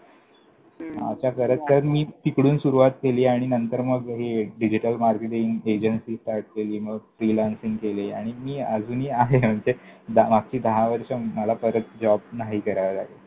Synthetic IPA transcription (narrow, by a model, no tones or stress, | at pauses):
ma̰t͡ɕjakəɾət͡skəɾənmiːp̪ikɽuːnsuɾuʋat̪keliːaɽ̃inənt̪əɾməɡɦeɖid͡ʑiʈəlmaɾkeʈiŋɡed͡ʑənsiːsʈaɾʈ̚keliːməɡfɾilansĩŋɡkeleaɽ̃imiːəd͡zʱuːniːaɦem̤əɳd͡zed̪amaɡ̚t͡ɕiːd̪ʱaɦaʋəɾʂəməlapəɾət̪̚d͡ʑɔbnaɦiːkəɾaʋəla̰ɡe